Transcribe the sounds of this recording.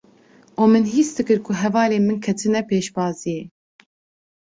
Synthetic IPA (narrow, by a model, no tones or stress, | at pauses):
ʔoːmɨnɦisd̪ɨkɨɾkʰuɦɛvɑːleːmɨnkʰɛt̪ʰɨnɛpeːʃbɑːzijɛ